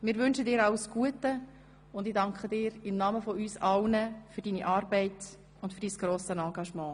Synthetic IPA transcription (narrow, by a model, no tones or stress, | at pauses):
mɪːɾʋʏnʃədɪːɾɑʊsɡ̥uətə | ʊndɪdɑŋkχədɪːɾɪmnɑməfɔyːsɑlnəfyɾd̥iːniʔɑːɾbɛɪt | ʊndfyd̥iːsɡ̥ɾoːsənɑːɡɑʃmɑ̃ː